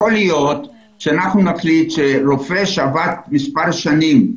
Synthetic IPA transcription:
olijot | ʃeanaχnunaχlit̪ʃeɾo̞feʃavat̪̚mispaʁʃanim

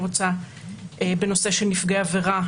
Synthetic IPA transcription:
ʁot͡sa | ebe̞no̞se̞ʃenifɡeaveʁa

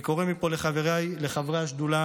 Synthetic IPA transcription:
ko̞ʁemipo̞le̞χaveʁajle̞χavʁaʃd̪ula

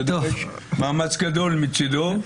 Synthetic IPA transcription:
maːmɐt͡skɐd̪oːlmit͡ʃʰːid̪oː

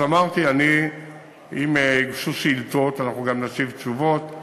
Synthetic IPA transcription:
amaʁt̪iani | imeiɡʃusiltot̪anaχnuɡamnasivt͡ʃuvot

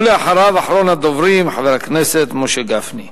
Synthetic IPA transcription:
leaħaɾavaħɾonad̪ovɾimħaveɾakneset̪moʃeɡafni

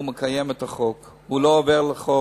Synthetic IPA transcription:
umekajemet̪aχo̞k | uloːveʁleχo

